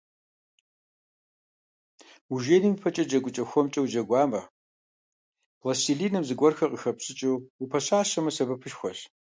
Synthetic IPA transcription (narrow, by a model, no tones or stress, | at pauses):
uʒeːnimpʰɐt͡ʃʼɐd͡ʒɐɡʷʊt͡ʃʼɐxʷɔmt͡ʃʼɐwd͡ʒɐɡʷaːmɐ | lɐsiɮiːnɐmzɨɡʷɔrxɐqʼəxɐpsɨt͡ʃʼɨupʰɐɕaːʃɐmɐsɐbɐpʰɨʃxʷɔɬ